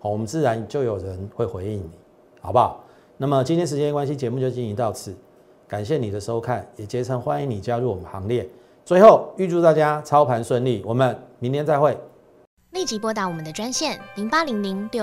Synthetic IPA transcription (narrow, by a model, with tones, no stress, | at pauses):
ɔ˨˩wɔ˨˩mə˦nt͡sɹ̩˥˨ɻa˧˦nt͡ɕjo˥˨˩ʊjo˨˩ʊɻə˨˦nxwe˥˩ɪxwe˧˥ɪi˧˩ŋni˨˩˦ | hɑ˨˩ʊba˨˦ | na˥˩mə˨t͡ɕi˥nt̪ʰjɛ˥nʂ̬̩˧˦t͡ɕjɛ˥n˨kwa˦nɕi˦t͡ɕjɛ˧˦mu˥˧t͡ɕjo˥˧ʊt͡ɕi˥˩ŋi˧˦t̪ɑ˥˧ʊt͡s̩ʰ˥˩ | ka˨˩nɕjɛ˥˩ni˨˩d̪ə˦ʂo˦˥ʊkʰa˥˩njɛ˨˩t͡ɕjɛ˧˥t͡sʰə˧˥ŋxwa˦ni˧˦ŋni˨˩t͡ɕja˥ɻu˥˨wɔ˨˩mə˨˦nxɑ˧˦ŋljɛ˥˨ | t͡swe˥˧ɪxo˥˨ʊy˥˧ʈ͡ʂu˥˧t̪a˥˨t͡ɕja˦t͡sʰɑ˥˦ʊpʰa˧˥nʂwə˥˧nli˥˨wɔ˨˩mə˦nmi˧˦nt̪ʰɛ˥nt͡sa˥˧ɪxwe˥˨ɪ | li˥˩t͡ɕi˧˥pwɔ˥t̪̬a˧˩wɔ˨˩mə˨˦nd̪ə˨˩ʈ͡ʂwa˥nɕjɛ˥˩nli˧˥ŋpa˥li˧˥ŋli˧˥ŋpji˥˧˨